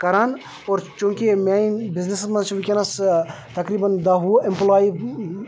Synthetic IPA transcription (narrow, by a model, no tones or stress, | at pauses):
kɐɾaːn | oːɾt͡ʃũːkemeĩbɪznesmɐ̃t͡ʃʰʋikʲɐnɐs | t̪ɐkɾiːbɐnd̪aɦuʔɪmplaːi